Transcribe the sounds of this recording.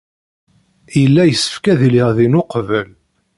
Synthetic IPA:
jəlːæjəsːə̥fkæðiliʁðinʊqvəl

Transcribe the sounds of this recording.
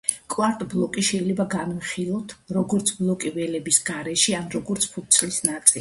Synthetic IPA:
kʼwaɾt̪ʼblˠɔkʼiʃɛilɛbaɡanmiχilˠɔt̪ʰɾɔɡɔɾt̪sʰblˠɔkʼivɛlɛbisɡ̥aɾɛʃianɾɔɡɔɾt̪sʰpʰut̪t̪sʰlisnat̪sʼil

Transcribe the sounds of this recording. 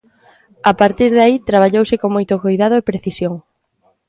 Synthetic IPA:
apaɾt̪iɾðait̪ɾaβ̞aʎowsɪkoŋmojt̪ʊkojðað̞ʊepɾeθisjoŋ

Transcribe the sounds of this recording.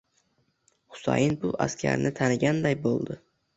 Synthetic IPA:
hʊ̥sa̰jɪnbʊʔa̰skʲʰa̰ɾnʔɪt̪ʰanɪɡʲand̪ajbolˠd̪ɪ

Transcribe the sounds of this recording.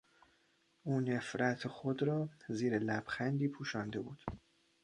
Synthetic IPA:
ʔuːnefɾæt̪ʰexod̪ɾɒːziːɾelæb̥xænd̪iːpʰuːʃɒːnd̪e̞buːd̪̥

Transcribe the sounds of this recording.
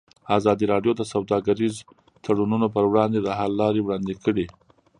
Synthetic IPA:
ɑzɑd̪iɾɑɖjod̪əsawd̪ɑɡaɾiz | t̪ʰaɽununopəɾwɽɑnd̪ed̪əɦalːɑɾewɽɑnd̪ekəɽi

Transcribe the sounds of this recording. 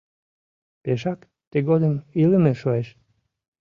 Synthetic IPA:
peʃɑk | t̪eɣod̪əmiləmeʃoeʃ

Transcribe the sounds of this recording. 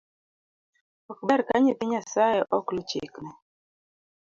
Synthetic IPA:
ɔkbaɾkaɲipiɲasajɛʔɔklut͡ʃḭkna

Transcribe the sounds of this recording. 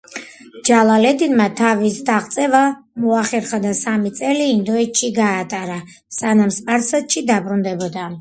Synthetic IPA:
d͡ʒalˠalɛd̪inmat̪ʰavisd̪aʁt̪sʼɛva | mɔaχɛɾχad̪asamit̪sʼɛliːnd̪ɔɛt̪ʃʰiɡaːt̪ʼaɾa | sanamspʼaɾsat̪ʃʰid̪abɾund̪ɛbɔd̪a

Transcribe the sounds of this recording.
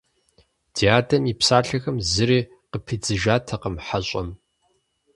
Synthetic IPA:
d̥ʰijaːdɐnipsaːɬɐxɐmzɨɾiː | qəpʰɨd͡zɨʒaːtʰɐqəmħaɕʼɐm

